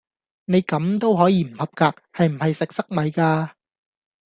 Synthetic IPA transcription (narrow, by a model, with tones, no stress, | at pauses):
ne˨˧jkɐ˨˥mt̪o˥wɦɔː˨˥jiː˨˧m̩˨˩hɐ˨p̚kaː˧k̚hɐ˨jm̩˨˩hɐ˨jsɪ˨k̚sɐ˥k̚mɐ˨˧jkaː˧